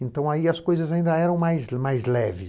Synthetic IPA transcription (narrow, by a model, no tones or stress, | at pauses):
ẽnt̪ɐ̃w̃aiɐskojzɐzaĩnd̪ɐɛɾɐ̃w̃majzmajzlɛvɪ